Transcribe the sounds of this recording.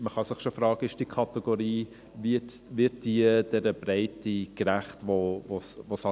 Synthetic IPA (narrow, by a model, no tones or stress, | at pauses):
məχɑsɪχʃofɾɑːɡ̥əɪʃd̥ikʰɑt̪ɛɡ̥oɾiː | vitʋɪt̚d̥iəd̥ɛɾəbɾɛɪtikɾæχtʋovosʋosɑ